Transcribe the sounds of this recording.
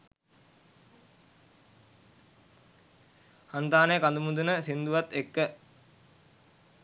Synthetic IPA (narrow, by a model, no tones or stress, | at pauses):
hant̪aːnəjəkand̪umud̪unəsind̪uʋat̪ːekːə